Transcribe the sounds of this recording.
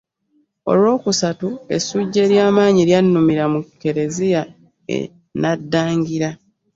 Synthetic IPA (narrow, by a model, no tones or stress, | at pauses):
o̞̰lwo̞ːkusatue̞̰suɟːe̞ːɾjaːmaːɲiljanːumiɾamukːe̞ɾe̞zija | ḛ | nadːaːŋɡiɾa